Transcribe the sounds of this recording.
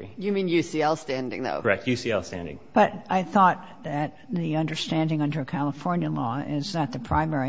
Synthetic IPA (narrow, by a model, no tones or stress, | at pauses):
jɨmĩnjʉsiɛlˠstæ̃ndɪ̰̃ŋðo̰ʊəɹɛk̚tʰjʉsiɛlˠstæ̰̃ndɪ̰̃ŋb̥ʌɾʔaɪθɔt̪̚ | ðɨt̪̚ðiʌ̃ndə˞stæ̃ndɪ̃ŋʌ̃ndə˞ɨkʰælˠəfɔɹnjɨlɔɪzðɨt̪̚ðɨpʰɹ̥ãɪ̃mɛɹi